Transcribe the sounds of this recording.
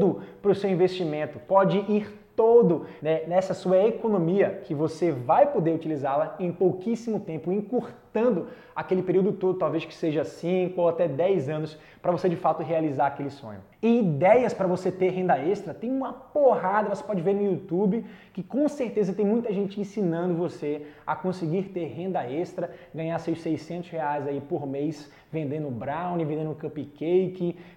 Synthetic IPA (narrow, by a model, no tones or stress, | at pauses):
d̪ʊpɾʊsewĩveʃt͡ʃimẽnt̪ʊpɔd͡ʒɪʔiɾt̪od̪ʊnɛnɛsɐsuɐekonõmiɐkʰɪvosevajpod̪eɾut͡ʃilizalɐẽj̃powkisimʊt̪ẽmpʊẽkuɾt̪ɐ̃nd̪ʊ | akelɪpeɾiwd̪ʊt̪od̪ʊt̪awveskɪ̥seʒɐsĩkʊowat̪ɛd̪ɛjzɐ̃nʊs | pɾɐvosed͡ʒɪfat̪ʊɦealizaɾakelɪsõ̰ɲʊ | ɪid̪ɛjɐspɾɐvoset̪eɾɦẽnd̪ɐest̪ɾɐt̪ẽj̃ũmɐpoɦad̪ɐvose̥pɔd͡ʒɪveɾnʊut̪ubɪkɪkõseɾt̪ezɐt̪ẽj̃mũj̃t̪ɐʒẽnt͡ʃɪẽsinɐ̃nd̪ʊvoseɐkõsɪɡiɾt̪eɾɦẽnd̪ɐest̪ɾɐɡɐ̃ɲaɾsesejsẽnt̪ʊsheajzaipoɾmejs | vẽnd̪ẽnd̪ʊbɾaw̃nɪvẽd̪ẽnd̪ʊkɐ̃pikejkɪ